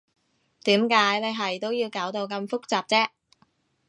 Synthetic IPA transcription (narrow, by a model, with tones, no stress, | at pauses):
t̪iː˨˥mkaː˨˥jne˨˧jɦɐ˨jt̪o˥wjiː˧wkaː˨˥wt̪o˧wkɐ˧mfʊ˥k̚t͡saː˨p̚t͡sɛː˥